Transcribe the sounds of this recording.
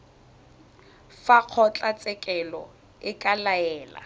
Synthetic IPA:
faq͡χʰɔt͡ɬʼat͡sʼɛkʼɛlɔ̰ | ɪkʼalaɛːla̰

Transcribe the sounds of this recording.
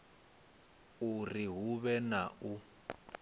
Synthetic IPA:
uriɦuβɛnau

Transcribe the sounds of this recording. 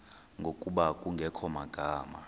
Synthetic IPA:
ŋɡʱokʼuɓakʼuŋɡʱɛkʰɔmaɡ̥ʱaːma̰

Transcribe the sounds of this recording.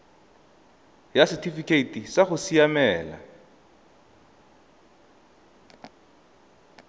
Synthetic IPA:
jasitifikʼeitʼisaχʊsijamɛːla̰

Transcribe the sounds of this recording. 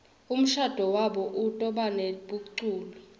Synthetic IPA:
um̩ʃad̥ʱɔwaɓɔʔutʼɔɓaneɓuǀuːlɔ

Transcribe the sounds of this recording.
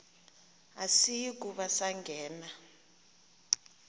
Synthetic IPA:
asijik̬ʼuɓasaŋɡʱɛːna

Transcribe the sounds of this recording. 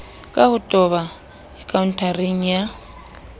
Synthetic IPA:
kʼahutʼɔβa | ɛkʼauntʰʼariɲja

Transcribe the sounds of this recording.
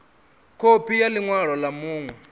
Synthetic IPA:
kʰopʰijaliŋwaɺɔlamuːŋwɛ

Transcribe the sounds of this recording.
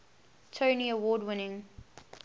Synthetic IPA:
tʰoʊniəwɔːdwɪnɪ̃ŋ

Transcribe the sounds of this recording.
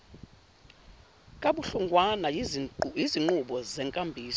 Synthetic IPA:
kʼaɓuɬuŋɡʱwanaiziŋ͡ǃuɓɔzɛŋkʼambʱiːsɔ

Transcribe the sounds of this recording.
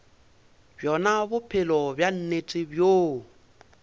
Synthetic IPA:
bjɔnabʊpʰɪlɔbjan̩net͡sʼɪbjoː

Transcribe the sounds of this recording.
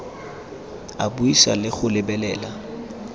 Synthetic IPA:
abuisa̰lɪχʊlɪbɛlɛːla

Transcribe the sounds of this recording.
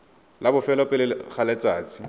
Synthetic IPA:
labʊfɛlɔpʼɪlɪχʰalɛt͡sʼaːt͡sʼɪ̥

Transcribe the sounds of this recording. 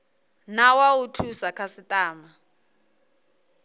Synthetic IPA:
nawautʰusakʰasitʼaːma

